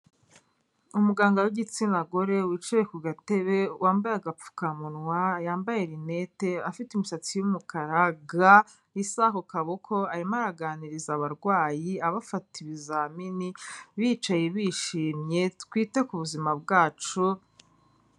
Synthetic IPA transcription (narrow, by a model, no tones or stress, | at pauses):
umuɡaːŋɡawiɟit͡sinaɡoɾe̞wiːt͡ʃuɾekuɡate̞βe̞wʔaːmbajaɡap͡fu̥kamunwajaːmbaje̞ɾine̞te̞afitiumusat͡sijumukaɾaɡa | isaɦokaβokʰo̞aɾimaɾaɡaːniɾizaβaɾɡwaːjiaβafatʰiβizaminiβit͡ʃajeβiːʃiːmɲe̞tkwiːte̞kuβuzimab̚ɡaːt͡ʃu